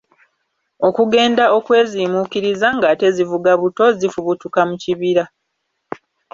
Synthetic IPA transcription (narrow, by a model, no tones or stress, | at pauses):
o̞kuɡe̞ːndao̞kwe̞ːziːmukiɾizaŋɡaːte̞zivuɡaβuto̞zifuβutukamuciβiɾa